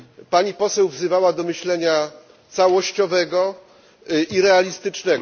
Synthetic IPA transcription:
paɲipɔsɛwvzɘvawad̪ɔmɘɕlɛɲa | t̪sawɔɕt͡ɕɔvɛɡɔ | iɾɛalʲist̪ɘt͡ʂnɛɡ

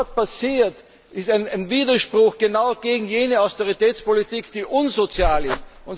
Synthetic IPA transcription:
t̚pasiːɐt | ʔɪstaɪnaɪnviːdɐʃpʁ̥ʊxɡ̥ənaʊɡ̥eːɡŋ̩jeːnəaʊstoʁitɛːt͡spolitiːkd̥iːʔʊnzot͡sjaːlɪstʊ̃n

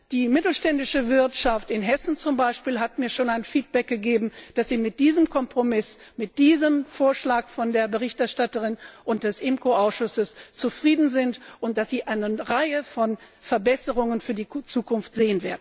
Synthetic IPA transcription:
d̥iːmɪtl̩ʃtɛndɪʃəvɪɐtʃaftɪnɦɛsn̩t͡sʊmbaɪʃpiːlɦatmiːɐʃoːnaɪnfiːt̚b̥ɛk̚ɡ̥əɡeːbm̩d̥asz̥iːmɪt̚d̥iːzəmkʰɔmpʁ̥omɪs | mɪt̚d̥iːzəmfoːɐʃlaːkfɔndeːɐbəʁ̞ɪçtɛɐʃtatəʁ̞ɪnʔʊnt̚d̥ɛsʔɪmkoaʊsʃʊsəst͡sufʁ̥iːdn̩zɪntʔʊnt̚d̥asz̥iːʔaɪnəʁaɪəfɔn | fɛɐbɛsəʁ̞ʊŋənfyːɐdiːt͡suːkʊnftz̥eːənveːɐdn̩

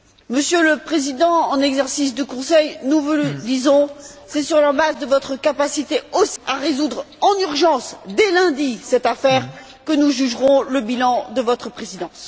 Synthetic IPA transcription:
məsjøləpχezid̪ɑ̃ɑ̃nɛɡzɛʁsis̬d̪əkɔ̃sɛjnuvud̪izɔ̃sɛsyʁlamazd̪əvɔt̪χəkapasit̪eosi̥aʁezud̪ʁ | ɑ̃nyʁʒɑ̃sd̪ɛlɛ̃d̪isɛt̪afɛʁ | kənuʒyʒʁɔ̃ləbilɑ̃d̪əvɔt̪χəpχezid̪ɑ̃s

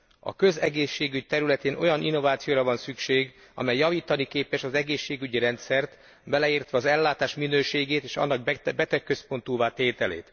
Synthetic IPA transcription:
ɒ̰kø̞zɛɡeːʃːeːɡyc̚t̪ɛɾylɛt̪eːnʔo̞jɒninːo̞vaːt̪sijoːɾɒvɒnsykʃeːɡ | ɒ̰mɛjːɒviːt̪ɒnikeːpɛʃɒzɛɡeːʃːeːɡyɟiɾɛnt̪sɛrt̪ | bɛlɛiːrt̪ʋɛɒzɛlːaːt̪aːʃminøːʃeːɡeːt̪eːʃɒ̰nːɒɡ̚bɛt̪ɛkːø̞spo̞nt̪uːvaːt̪eːt̪ɛlḛːt̪

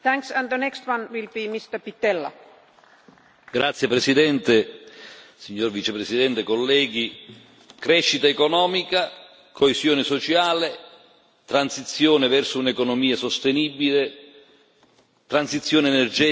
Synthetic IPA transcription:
θæ̃ŋksə̃nðənɛkst̪wãnwilbimist̪əpit̪ɛlːa̰ | ɡɾat̪sːjepɾesid̪ɛnt̪e | siɲːorvit͡ʃepɾesid̪ɛnt̪ekolːɛːɡi | kɾɛʃːit̪aekɔnɔːmika | koesjoːnesɔt͡ʃaːle | t̪ɾansit̪sjoːnevɛrsʊunekɔnomiːasost̪enibile | t̪ɾansit̪sːjoːneːnerd͡ʒɛː

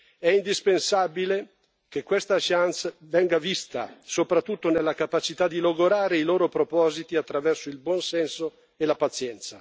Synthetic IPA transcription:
ɛind̪ispensabile | kekwest̪aʃant̪svɛŋɡavist̪a̰sopɾat̪ːut̪ːonelːakapat͡ʃit̪ad̪ːiloɡoɾaːɾeiloːɾopɾopɔːzit̪iat̪ːɾavɛrsoilbwɔnsɛnso | elapat̪sːjɛnt̪sa

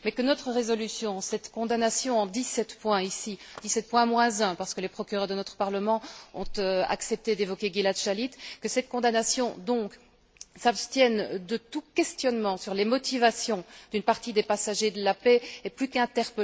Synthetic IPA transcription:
mɛkənɔt̪χəʁezɔlysjɔ̃sɛt̪kɔ̃d̪anasjɔ̃ɑ̃d̪isɛt̪pwɛ̃isid̪isɛt̪̚pwɛ̃mwɛ̃zɛ̃paʁsə̥kəlepχɔkʲyʁœʁd̪ənɔt̪χə̥paʁləmɑ̃ɔ̃t̪øa̰ksɛp̚t̪ed̪evɔkʲeɡilat̪ʒalit̪kəsɛt̪̚kɔ̃d̪anasjɔ̃d̪ɔ̃k | sapst̪jɛnd̪ət̪ukʲɛst̪jɔnmɑ̃syʁlemɔt̪ivasjɔ̃d̪̥ynpaʁt̪id̪epasaʒed̪əlapɛɛplykɛ̃t̪ɛʁpə

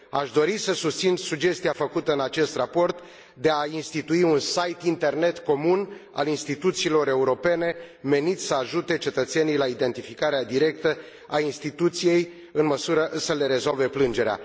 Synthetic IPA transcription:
aʃd̪o̞ɾisəsust̪sinsuɡd͡ʒe̞st̪iafəkut̪əɨnat͡ʃe̞st̪rapo̞rt̪ | d̪e̞ainst̪it̪uiunsajt̪int̪e̞rne̞t̪ko̞muna̰linst̪it̪ut̪siːlo̞ɾe̞uɾo̞pe̞ne̞me̞nit̪ʲsəaʒut̪e̞t͡ʃe̞t̪ət̪senijlaid̪e̞nt̪ifikaɾead̪iɾe̞k̚t̪ə | ainst̪it̪ut̪sije̞j | ɨnməsuɾəʔsəle̞ɾe̞zo̞lve̞plɨnd͡ʒe̞ɾea̰

